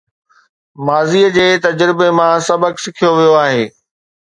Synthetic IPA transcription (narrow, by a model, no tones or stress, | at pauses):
maːziːəd͡ʑeːt̪ɐd͡ʑɾɪbemãsɐbʱəksɪkʰijoʋijoaːɦeː